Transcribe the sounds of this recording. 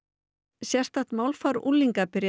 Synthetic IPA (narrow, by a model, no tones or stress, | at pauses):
sjɛr̥t̪aht̪mawlfaɾṵlːiŋkapɪɾj